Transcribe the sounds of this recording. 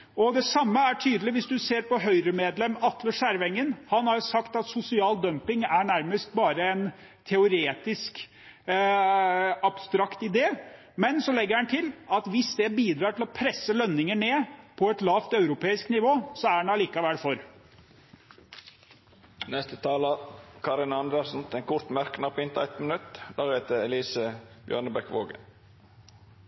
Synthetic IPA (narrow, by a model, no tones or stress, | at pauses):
ɔd̪ɛsɑmːəæʈʰyːd̪əlɪʋɪsd̪ʉseːɾpɔɦœʏɾəmeːd̪lɛmɑt̪ləʂæɾʋɛŋːənhɑnhɑɾjsɑkt̪ɑt̪sʊsɪɑːld̪œmpɪŋæɳæɾməst̪̚bɑːɾəɛn | t̪ʰɛʊɾeːt̪ɪsk | ɑb̥st̪ɾɑkt̪ɪd̪eː | mɛnsɔlɛɡːəɾhɑnt̪ʰɪlɑt̪ʋɪsd̪ɛbiːd̪ɾɑːʈʰɪlɔpʰɾɛsːəlœnːɪŋəɳeːpʰɔɛt̪lɑːft̪ɑʉɾʊpʰeːɪsknɪʋoːsɔæɛnɑliːkɑʋɛlfɔɾ | nɛst̪ət̪ʰɑːlɑkʰɑɾɪnɑnd̪əsn̩t̪ɛːnkʰʊɾt̪mæɾkənɑpɔɪnt̪ʰɑɛt̪mənʉt̪ːd̪æːɾheːt̪əɾɛliːsəb̥jœ̰ːɳəbɛkʋo̰ːɡə̰